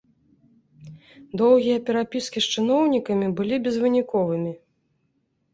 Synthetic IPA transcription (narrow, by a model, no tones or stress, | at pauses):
d̪ɔwɣʲijɐpʲɛɾapʲiskʲisʂt͡ʂɨnɔwnʲikɐmʲibɨlʲibʲɛzvɨnʲikɔvɨmʲi